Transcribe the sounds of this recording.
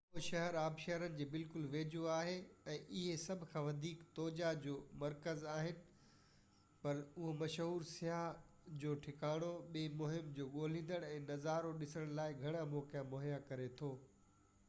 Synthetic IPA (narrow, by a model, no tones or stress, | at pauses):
ʊɦʃɐɦɛɾaːbʃɐɦɾənɪ̆d͡ʑeːbɪlkʊlʋeːd͡ʑoaːɦeɛ̃ːʔɪɦesɐbʱkʰãːʋɐd̪ʱiːkt̪ɔːd͡ʑad͡ʑoːmɐɾkəzaːɦɪnɪ̆ | pɐɾʊɦomɐʃɦuːɾsɪaːɦ | d͡ʑoːʈʰɪkaːɽ̃oɓeːmʊɦɪmd͡ʑoːɠoːl̤ĩːn̆d̪əɽ̃ɛ̃ːnɐzaːɾoɗɪsəəɽ̃laːɪɡʱɐɽ̃amoːkijãmoɦjakɐɾet̪ʰoː